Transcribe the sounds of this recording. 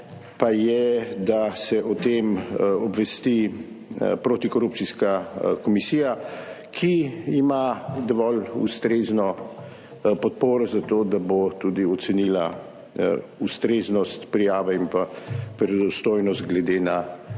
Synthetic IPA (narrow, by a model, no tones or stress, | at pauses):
pajɛd̪asɛʔɔt̪emɔbʋɛst̪i | pɾoːt̪ikɔɾup̪̚siskakɔmisiːja | kʰiimad̪ɔʋɔlṵst̪ɾeznɔ | pɔt̪poːɾɔzat̪od̪abot̪ud̪iɔt̪sɛniːla | ust̪ɾeːznɔst̪pɾijaːʋɛimpapɾɛd̪ɔst̪oːjnɔst̪ɡlɛd̪eːna